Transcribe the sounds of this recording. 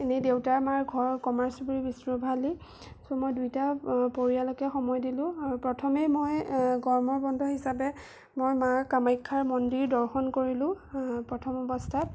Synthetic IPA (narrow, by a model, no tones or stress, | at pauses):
enɛdewtaɹmaɹɡʱɔɹkɔmaɹsbuɹibisɹɔbʱali | sɔmojdujtapoɹijalokɛxɔmɔjdilʊ̃aɹupɹɔtʰɔmemojɡɔɹmɔɹbɔndʱɔɦisapɛ | mojmaɹkamajkʰːaɹmɔndiɹdɔɹxɔnkoɹilʊ̃pɹɔtʰɔmɔbɔstʰat̚